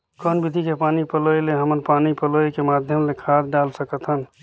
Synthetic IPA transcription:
kɔːnbid̪ʱikepaːnipəloeleɦəmənpaːnipəloekemaːd̪ʱjəmlekʰaːd̪ɖaːlsəkət̪ɦən

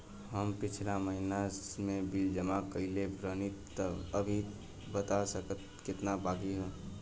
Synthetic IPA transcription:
ɦəmpɪt͡ʃʰlaməɦinamẽbild͡ʒəmakəilebɾənit̪ː | əəbʱi | bət̪asəkət̪̚ | kɪt̪nabaːɡiɦɛ̃ː

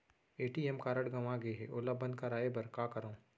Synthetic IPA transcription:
eːʈiɛmkaːɾəɽɡɐʋaɡeɦɛ̰ʔoːlabɐ̃nd̪kaɾaːebɐɾkaːkɐɾõː

